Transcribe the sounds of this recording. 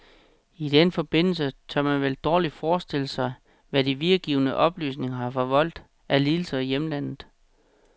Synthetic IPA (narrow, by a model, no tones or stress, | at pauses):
id̥enəfɒ̽b̥e̝n̰l̩sət͡sʰɶmænʋeld̥ɒːlid̥fɒːsd̥e̝l̰əsɑ̈ɪ | ʋæd̥iʋiɡ̥iːʊnəʔɒ̽b̥ly̰ːsne̝ŋɐhɑ̈fɒ̽ʋɒ̽l̰d̥ | ʔæliːl̩sɐijeməlæn̰ð̩ˠ